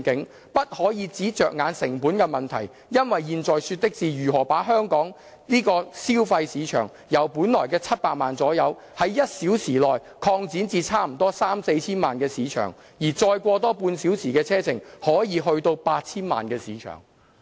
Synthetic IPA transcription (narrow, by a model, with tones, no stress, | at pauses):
kɪ˨˥ŋ | pɐ˥t̚hɔː˨˥jiː˨˧t͡siː˨˥t͡ʃœː˨k̚ŋaː˨˧˥nsɪ˨˩ŋpuː˨˥nkɛː˧mɐ˨˩nt̪ʰɐ˨˩j | jɐ˥nwɐ˨jjiː˨˧nt͡sɔː˨jsyː˧t̚t̪ɪ˥k̚t͡siː˨jyː˨˩ɦɔː˨˩paː˨˥ɦœː˥ŋkɔː˨˥ŋ | niː˥kɔː˧siː˥wfɐ˧jsiː˨˧t͡ʃʰœ̰ː˨˩ŋ | jɐ˨˩wpuː˨˥nlɔː˨˩jkɛː˧t͡sʰɐ˥t̚paː˧k̚maː˨nt͡sɔː˨˥jɐ˨˧w | hɐ˨˥jːɐ˥t̚siː˨˥wsiː˨˩lɔː˨˩j | kʰɔː˧ŋt͡siː˨˥nt͡siː˧t͡sʰaː˥m̩˨˩t̪ɔː˥saː˥mse˧jt͡sʰiː˥nma̰ː˨nkɛː˧siː˨˥t͡ʃʰœ̰ː˨˩ŋ | jiː˨˩t͡sɔː˧jkʷɔː˧t̪ɔː˥puː˧nsi˨˥wsiː˨˩kɛː˧t͡sʰɛː˥t͡sʰɪ˨˩ŋhɔː˨˥jiː˨˧ɦɵ˧ɥt̪o˧wpaː˧t̚t͡sʰiː˥nma̰ː˨nkɛː˧siː˨˥t͡ʃʰœ̰ː˨˩ŋ